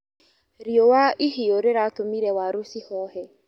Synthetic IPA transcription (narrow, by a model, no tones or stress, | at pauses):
ɾiowaʔiɦioɾeɾatomiɾɛwaɾosihɔɦɛ